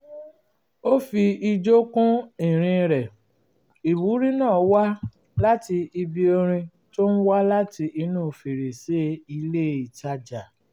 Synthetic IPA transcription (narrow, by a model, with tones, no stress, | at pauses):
o˦fi˧i˧d͡ʒo˦kũ˦i˨ɾ̃ĩ˧ɾɛ˨ | i˨wu˨˦ɾĩ˦nãː˦˨˦wa˦ | la˦ti˧i˧bi˧o˧ɾ̃ĩ˧ | to˦n̩˦wa˦la˦ti˧ʔi˧nũː˦˨fe˨ɾe˨se˨˦i˧le˦˨i˨ta˧d͡ʒa˨